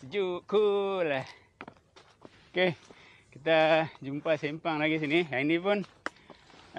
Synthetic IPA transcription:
d͡ʒukulah | oke | kit̪ad͡ʒumpasimpaŋlaɡis̬inijanipʊn

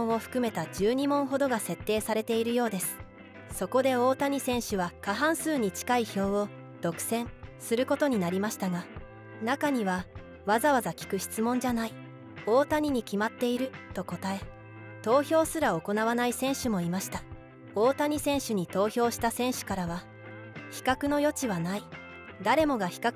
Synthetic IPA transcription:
õo̞ɸɯ̥kɯ̟me̞t̪ad͡ʑɨːɲ̟imõ̞ɰ̃ɦo̞d̪o̞ɡase̞t̪ːe̞ːsaɾe̞t̪e̞iɾɯ̟jo̞ːd̪e̞sɨ̥ | so̞ko̞d̪e̞o̞ːt̪aɲ̟isẽ̞ɰ̃ɕɨβakaɦãɰ̃sɨːɲ̟it͡ɕi̥kaiço̞ːo | d̪̥o̞kɯ̟̥sẽ̞ɴsɨɾɯ̟ko̞t̪o̞ɲ̟inaɾʲimaɕi̥t̪aɡa | nakaɲ̟iβa | βazaβazakʲi̥kɯ̟ɕi̥t͡sɨmõ̞ɲ̟d͡ʑanai | o̞ːt̪aɲ̟iɲ̟ikʲimat̪ːe̞iɾɯ̟t̪o̞ko̞t̪ae̞ | t̪o̞ːçʲo̞ːsɨɾao̞ko̞naβanaisẽ̞ɰ̃ɕɨmo̞imaɕi̥t̪a | o̞ːt̪aɲ̟isẽ̞ɰ̃ɕɨɲ̟it̪o̞ːçʲo̞ːɕi̥t̪asẽ̞ɰ̃ɕɨ̥kaɾaβ̞a | çi̥kakɯ̟no̞jo̞t͡ɕiβanai | d̪aɾe̞mo̞ɡaçi̥ka

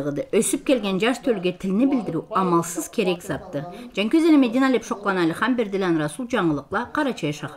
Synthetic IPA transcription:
ʁəd̪ɯʔøsyp̚kʲe̞lɡʲe̞nd͡ʒɑʃt̪ʰølɡʲet̪ʰɪlnɪbɪld̪ɪɾyɑmɑlˠsəz̥kʲʰe̞ɾeksɑt̪ːəd͡ʒɑŋkʲøzelemed̪inɑlʲepʃo̞qlˠɑnɑlʲiχɑmbeɾd̪ɪlʲɑnɾɑsulˠd͡ʒɑɴəlˠəqlˠɑqʰɑɾɑt͡ʃʰɑjʃɑχ

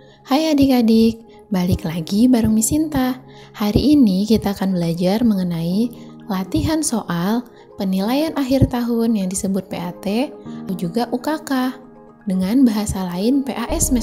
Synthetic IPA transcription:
hajadikadɪk̚ | balɪklaɡibaɾəŋmisint̪a | haɾiːnikit̪aːkanbəlad͡ʒarməŋənai | lat̪iɦansoʔal | pənilajanʔaɦirt̪aɦʊnjaŋdisəbʊt̪̚peat̪ead͡ʒuɡaʔukakah | dəŋanbaɦasalaɪnpeʔaʔɛsmɛ

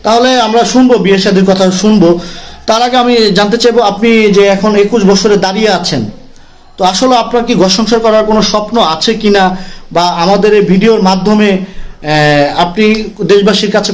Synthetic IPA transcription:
t̪aɦoleamɾaʃunbobieʃad̪ʱiɾkɔt̪ʰaʃunbot̪aɾaɡeamid͡ʑant̪̬et͡ɕajboapnid͡ʑeɛkʰonekuʃbɔt͡ɕʰoɾed̪aɾijeat͡ɕʰen | t̪oaʃoleapnaɾkiɡɔʃɔŋʃoɾkɔɾaɾkonoʃɔpnoat͡ɕʰekinabaamad̪eɾbʱiɖioɾmad̪ʱːome | apnid̪eʃbaʃiɾkat͡ɕʰe

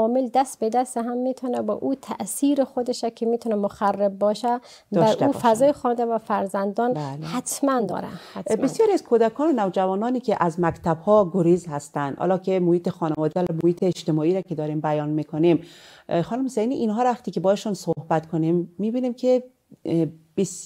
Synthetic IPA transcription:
ɒːmeld̪æst̪̚bed̪æst̪eɦæmːit̪ʰɔnæbɒ̰ːʔuːt̪ʰæ̰ʔsiːɾexod̪eʃækʰemiːt̪ʰunæmoxærːebbɒːʃæ | bæʃɾʔ̪ṵːfæzɒːjexɒːnd̪ævæfæɾzænd̪ɒːnlhæt̪ʰmænd̪ɒ̰ːɾæ̰hæbesjɒːɾiæzkʰod̪ækʰɒːnonævd͡ʒævɒːnɒːnikʰeʔæzmækt̪ʰæbhɒːɡoɾiːzhæst̪ænd̪hɒ̰ːlɒːkʰemohiːt̪ʰexɒːnevɒːd̪ælmohiːt̪ʰeːʃt̪emɒːiːɾækʰed̪ɒːɾiːmbæjɒːnmikʰonimxɒːnumhosejniʔinɦɒːɾvæxt̪iːkʲebɒːheʃunsohbæt̪kʰonimːiːbiːnimkʰe | b̥es

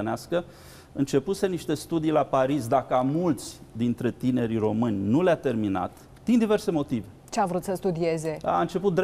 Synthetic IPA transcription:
əneaskə | ɨnt͡ʃe̞puse̞niʃt̪e̞st̪ud̪ijlapaɾis̬d̪akəamult̪sʲd̪int̪ɾe̞t̪ine̞ɾiro̞mɨnʲnuleat̪e̞rmina̰t̪ | d̪ind̪ive̞rse̞mo̞t̪ivet͡ʃeavɾut̪səst̪ud̪ie̞ze̞a̰ɨnt͡ʃe̞put̪̚d̪ɾ

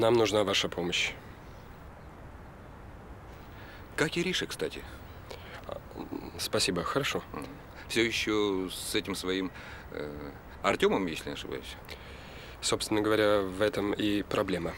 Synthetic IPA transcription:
namnʊʐnavaʂəpʰo̞məɕ | kakʲiɾʲiʂɨkst̪atʲɪ | spɐsʲibəxəɾɐʂo | fsʲojɪɕːosɛtʲɪmsvɐim | ɐrtʲo̞məmjḛsʲlʲɪnʲɪɐ̰ʂɨba̰jʊsʲ | sopst̪vʲɪnəɡəvɐɾʲavɛt̪əmipɾɐblʲemə

